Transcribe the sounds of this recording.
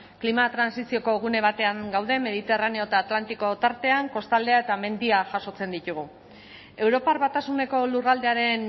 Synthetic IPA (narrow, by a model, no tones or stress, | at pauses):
klimat̪ɾansisio̞ko̞ɣ̞une̞β̞at̪e̞aŋɡawðe̞me̞ð̞it̪e̞rane̞oet̪aːt̪lant̪iko̞t̪aɾt̪e̞aŋko̞st̪ald̪e̞ae̞t̪ame̞nd̪iaʝaso̞t͡se̞nd̪it̪uɣ̞u | e̞wɾo̞paɾβat̪asune̞ko̞lurald̪e̞aɾe̞n